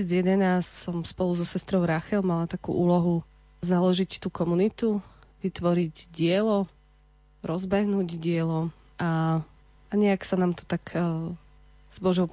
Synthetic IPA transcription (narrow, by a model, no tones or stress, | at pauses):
id͡zjɛd̪ɛnassɔmspɔluzɔsɛst̪ɾɔʊɾaxɛlmalat̪akṵːʔuːlɔɦu | zalɔʒict̪ukɔmunit̪uʋit̪ʋɔɾiɟɟɪɛlɔ | ɾɔzbɛɦnuːɟdɪɛlɔ | ʔa | aɲɛaksanaːmt̪ɔ̥t̪ak | z̥bɔʒɔʊ